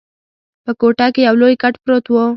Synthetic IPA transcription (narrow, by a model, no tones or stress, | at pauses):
pəkoʈɑkejawlojkaʈpɾot̪wo